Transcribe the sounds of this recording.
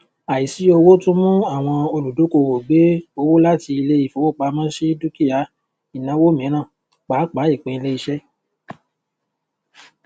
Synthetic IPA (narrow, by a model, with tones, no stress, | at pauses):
a˨i˨si˨˦o˧wo˦tũ˦mũ˦a˦˨w̃ɔ̃˧o˧lu˨du˨˦ko˧˨wo˨ɡ͡be˨˦o˧wo˦la˦ti˧i˧le˦i˦˨fo˨wo˦˨k͡pa˧˦mã˦ʃe˦du˦ki˦ja˨˦ | i˨nã˨˦wo˦mĩ˨˦ɾ̃ã˦˨ | k͡pa˨˦k͡pa˨˦i˦˨k͡pẽ˧˦i˧le˦i˧ʃɛ˦